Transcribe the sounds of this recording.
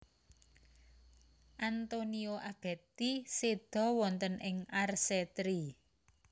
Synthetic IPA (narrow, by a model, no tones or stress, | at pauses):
ʔant̪onioʔab̥ɛ̤t̪ised̪̥ɔ̤wɔnt̪ənɪŋarset̪ɾi